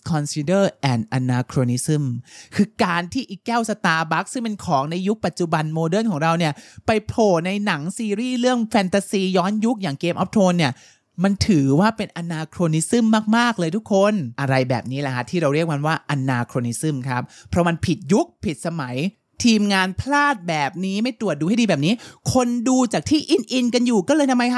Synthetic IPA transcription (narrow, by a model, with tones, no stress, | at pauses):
kʰɔ˧nsiː˧dɤː˥˩ʔɛː˨˩nʔa˧naː˧kʰɾoː˧ni˦˥sɯ˥˩mkʰɯː˧kaː˧nt̪ʰiː˥˩ʔi˨˩kːɛː˥˩wsa˧t̪aː˧ba˦˥k̚sɯ˥˩ŋpe˧nkʰɔː˩˦ŋna˧jːu˦˥k̚pa˨˩t̪̚t͡ɕu˨˩ba˧nmoː˧dɤː˥˩nkʰɔː˩˦ŋɾa˧wni˥˩ɐpa˧jpʰloː˨˩na˧jna˩˦ŋsiː˧ɾiː˥˩ɾɯ˥˩əŋfʰɛː˧nt̪aː˧siː˧jɔː˦˥nju˦˥k̚jaː˨˩ŋkeː˧mʔɔ˦˥p̚t̪ʰoː˧nːi˥˩ɐ | ma˧nt̪ʰɯː˩˦waː˥˩pe˧nʔa˧naː˧kʰɾoː˧ni˦˥sɯ˥˩mːaː˥˩k̚maː˥˩k̚lɤː˧jt̪ʰu˦˥kʰːo˧nʔa˧ɾa˧jbɛ̰ː˨˩p̚niː˦˥la˨˩kʰa˦˥t̪ʰiː˥˩ɾa˧wɾi˥˩ək̚ma˧nwaː˥˩ʔa˧naː˧kʰɾoː˧ni˦˥sɯ˥˩mkʰɾa˦˥p̚pʰːɾɔ˦˥ma˧npʰi˨˩t̪̚ju˦˥k̚pʰi˨˩t̪̚sa˧ma˩˦j | t̪ʰiː˧mŋaː˧npʰlaː˥˩t̪̚bɛː˨˩p̚niː˦˥ma˥˩jt̪u˨˩ət̪̚duː˧ha˥˩˨diː˧bɛː˨˩p̚niː˦˥kʰo˧nduː˧t͡ɕaː˨˩k̚t̪ʰiː˥˩ʔi˧nʔi˧nka˧njuː˨˩kɔː˥˩lɤː˧jt̪ʰmːa˧jkʰa˦˥